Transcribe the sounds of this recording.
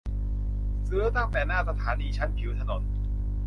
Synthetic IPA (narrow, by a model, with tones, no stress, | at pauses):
sɯ˦˥t̪a˥˩ŋt̪ɛː˨˩naː˥˩sa˧t̪ʰaː˩˦niː˧t͡ɕʰa˦˥nkʰi˩˦wt̪ʰa˧no˨˩˦n